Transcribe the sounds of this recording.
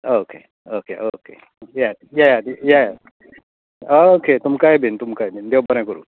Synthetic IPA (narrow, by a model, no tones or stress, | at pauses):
oke | okeʔokḛ | jajajajaja | ooket̪umkajebint̪umkaebind̪ewbaɾãkɔɾṵ